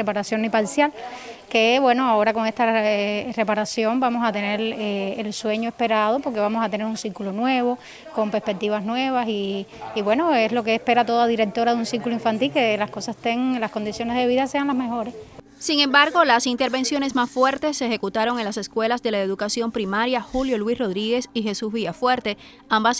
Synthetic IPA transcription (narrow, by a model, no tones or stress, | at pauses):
epaɾasjo̞ŋnipaɾsjal | ke̞βwe̞noao̞ɾako̞ŋe̞st̪aere̞paɾasjo̞mbamosat̪e̞ne̞ɾeelswe̞ɲoe̞spe̞ɾað̞opo̞ɾke̞βamosat̪ene̞ɾunsiɾkulonwe̞βo̞ | ko̞mpespe̞k̚t̪iβasnwe̞βasiːβwe̞noeslo̞keːspe̞ɾat̪o̞ðaðiɾek̚t̪o̞ɾaðunsiɾkuloiɱfant̪ilkelaskosast̪eŋlasko̞nd̪isjo̞nezðe̞βiðase̞aŋlasmexo̞ɾe̞s | siŋẽ̞mbaɾɣo̞lasint̪eɾβe̞nsjo̞ne̞smasfwe̞ɾt̪e̞sːexe̞kut̪aɾoŋe̞nlase̞skwe̞lasd̪e̞laeðukasjo̞mpɾimaɾjaxuljo̞lwisro̞ð̞ɾiɣe̞sixe̞suzβiafwe̞ɾt̪e̞ | ambas